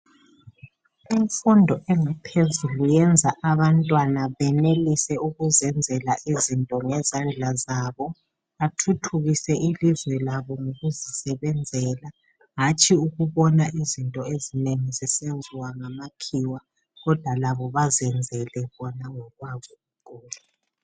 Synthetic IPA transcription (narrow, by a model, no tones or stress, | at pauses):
iɱfundʱɔʔɛŋapʰezulujɛnd͡zʱaʔaβantʼwanaβɛnelisɛuɣuzɛnd͡zʱɛlaʔizintʼɔŋɛzand͡ɮʱazaβɔ | atʰutʰuɣisɛʔilizwɛlaβɔŋoɣuzisɛβɛnd͡zʱɛːla | ɦat͡ʃʼʰiuɣuβɔnaʔizintʼɔezineŋizisend͡zʱiwaŋamakʰiwa | ɣɔd̥ʱwalaβɔβazɛnd͡zʱɛlɛβɔnaŋɔɣwaβɔɣukʰʼuːla